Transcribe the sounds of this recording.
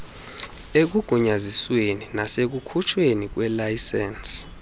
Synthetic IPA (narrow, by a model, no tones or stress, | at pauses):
ek̬uɡ̥ʱuɲazisweninasek̬ukʰut͡ʃʰwenik̬wɛlajsɛns